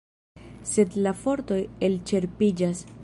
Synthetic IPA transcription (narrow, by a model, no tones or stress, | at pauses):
se̞dlafo̞ɾt̪o̞je̞lt͡ʃe̞ɾpid͡ʒas